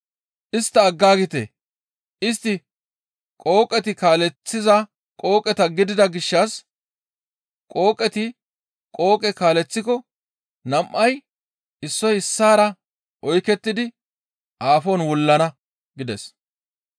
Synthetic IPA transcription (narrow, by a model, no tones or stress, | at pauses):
ʔɪst̪ːɐːɡːaːɡɪt̪ḛː | ʔɪs̬t̪ːɪ | kʼo̞ːkʼːɛt̪ɪkaːlɛt͡sːɪzɐ | kʼo̞ːkʼːɛt̪ɐɡɪd̪ɪd̪ɐɡɪʃːɐs | kʼo̞ːkʼɛt̪ɪ | kʼo̞ːkʼɛkaːlɛt͡sːɪkɔ | nɐmʔɐj | ʔɪsːɔjɪsːaːɾɐ | ʔɔjkɛt̪ːɪd̪ɪ | ʔaːfoːnwɔlːɐnɐ | ɡɪd̪ɛs